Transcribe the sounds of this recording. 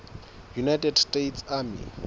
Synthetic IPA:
junajtʼɛdstʼetʰsamḭ

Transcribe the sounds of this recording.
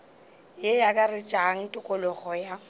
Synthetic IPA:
jejakʼarɪt͡ʃʼaŋ̩tʼʊkʼʊlʊχɔja

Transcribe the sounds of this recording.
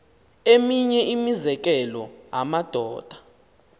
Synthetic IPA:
emiɲɛimizɛk̬ɛlɔɦamad̥ʱɔːd̥ʱḁ

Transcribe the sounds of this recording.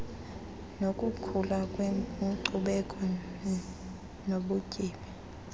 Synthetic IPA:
nokʼukʰulakʼwɛǀuɓɛkʼɔ | noɓukʼiːɓi

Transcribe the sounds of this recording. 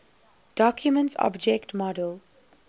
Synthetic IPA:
d̥ɔkʰjumə̃ntsɔ̰bd͡ʒɛktmɔdəl

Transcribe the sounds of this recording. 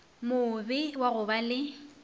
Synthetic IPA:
mʊbɪwaɣʊbalɪ

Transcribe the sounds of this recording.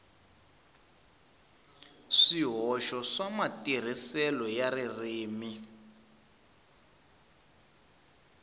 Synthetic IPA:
ʂiɦɔʃɔʂamatir̤isɛlɔjaririːmi

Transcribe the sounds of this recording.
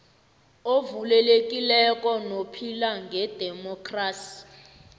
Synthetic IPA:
ovulɛlekʼilɛkʼɔnopʰilaŋɡʱɛd̥ʱɛmɔkʰraːsi̥

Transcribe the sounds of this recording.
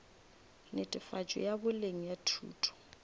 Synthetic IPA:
nɪtʼɪfat͡ʃʼɔ̰jabʊleŋ̩jatʰṵːtʰʼɔ̥

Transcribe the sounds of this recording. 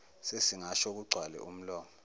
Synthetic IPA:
sesiŋaʃɔk̬uɡ͡ǀʱwalɛ̰um̩lɔːmɔ

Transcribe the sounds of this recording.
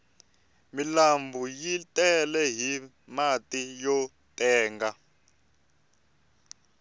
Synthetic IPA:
milambʱujitʼɛlɛɦi | matʼijɔ | tɛːŋɡa

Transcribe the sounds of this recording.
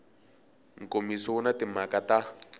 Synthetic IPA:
ŋ̩kʼomisɔʊnatɪm̤akata

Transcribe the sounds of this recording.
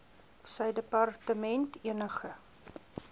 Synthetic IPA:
səjdəpɑrtəmɛntiənəχə

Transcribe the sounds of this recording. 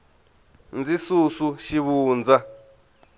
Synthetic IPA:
nd͡zisusuʃiβuːnd͡za

